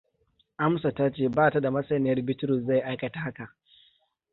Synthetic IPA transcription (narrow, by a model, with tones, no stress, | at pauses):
ʔa˦msa˨ta˦t͡ʃeː˦˨baː˦˨ta˨˦da˨mɐ˦sɐ˨nɪ˨jɐ˦rbɪ˦tʊ˦ɾʊ˨sza˦˨jʔa˦jkɐ˨ta˨ha˦ka˨ʔ